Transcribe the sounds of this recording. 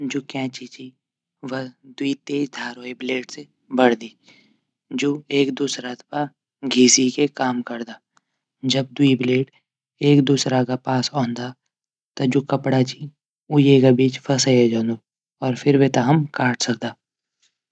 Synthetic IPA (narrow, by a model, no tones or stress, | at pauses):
d͡ʒoːkɛ̃ːt͡ʃit͡ʃi | ʋəd̪uit̪eːd͡ʒd̪ʱaːɾoːebleːʈse | bɐɽd̪iː | d͡ʒoːeːkd̪uːsɾat̪pa | ɡʱiːsikekaːmkɐɾd̪aː | d͡ʒɐb̚d̪uibleːʈ | eːkd̪uːsɾakapaːsɔːnd̪a | t̪ɐd͡ʒoːkɐpɽat͡ʃi | ujeːɡabiːt͡ʃpʰɐsajad͡ʒaːnd̪o | ɔːɾfʰɪɾʋet̪aɦəmkaːʈʰsɐk̚d̪aː